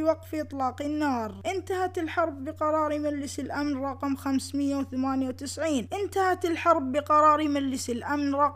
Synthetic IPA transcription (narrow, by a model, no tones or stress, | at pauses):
wɑqfiʔɨt̪ˤlɑːqɪnːɑːɾˤʔɪnt̪ahat̪ɪlħɑɾˤbːɪqɑɾˤɑːɾimalːɪsɪlʔamnɾˤɑqmxamsmɪjːawθamaːnjawt̪ɪsʕiːnʔɪnt̪ahat̪ɪlħɑɾˤbːɪqɑɾˤɑːɾimalːɪsɪlʔamnɾˤɑq